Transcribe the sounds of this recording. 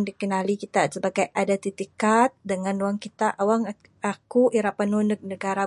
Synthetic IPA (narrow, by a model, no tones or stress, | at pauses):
ŋdikənalikit̪asəbaɡajʔadat̪it̪ikat̪̚dəŋãnuaŋkit̪aʔawaŋ | akuʔiɾapanunənəɡaɾa